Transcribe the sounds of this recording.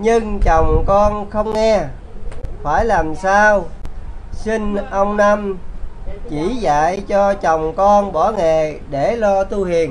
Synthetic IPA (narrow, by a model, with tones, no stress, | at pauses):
ɲɨ˧ŋt͡ɕɔ˨˩wŋ͡mkɔ˧nxə˧wŋ͡mŋɛ˧ | faː˧˩jlaː˨˩msaː˧w | si˧ŋʔə˧wŋ͡mna˧m | t͡ɕi˧˩za̰ː˧˨jt͡ɕɔ˧t͡ɕɔ˨˩wŋ͡mkɔ˧nɓɔ˧˩˦ŋe˨˩ɗe˧˩lɔ˧t̪u˧hi˨˩ən